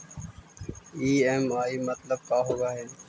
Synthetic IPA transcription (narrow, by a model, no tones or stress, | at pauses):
iːɛːmaːiːmət̪ləb̚kaːɦoːɡaːɦɛː